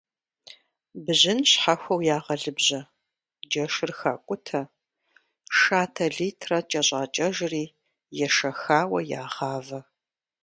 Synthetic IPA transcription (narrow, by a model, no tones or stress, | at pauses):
bɨʑɪnɕħaxʷɐwjaːʁɐɮɨbʑɐ | d͡ʒɐʂɨrxa̰ːkʷʼʊtʰɐ | ʂaːtʰɐɮiːtʰrɐt͡ʃʼɐɕʼaːt͡ʃʼɐʒriː | jɛʂɐxaːwɐja̰ːʁaːvɐ